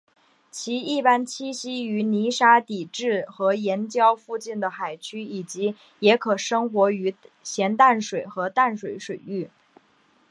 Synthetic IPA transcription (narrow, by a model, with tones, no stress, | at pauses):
t͡ɕʰi˧˥i˥˩pa˥nt͡ɕʰi˥ɕi˥y˧˥ni˧˥ʂa˥t̪i˨˩ʈ͡ʂɻ̩˥˩xɤ˧˥jɛ˧˥nt͡ɕjɑ˥ʊfu˥˧t͡ɕi˥˩nd̪ə˩xa˨˩ɪt͡ɕʰy˥i˨˩t͡ɕi˧˥ | jɛ˧˥kʰɤ˨˩ʂɤ˥ŋxwɔ˧˥y˧˥ɕjɛ˧˥nt̪a˥˩nʂwe˨˩ɪxɤ˧˥t̪a˥˩nʂwe˨˥ɪʂwe˨˩ɪy˥˩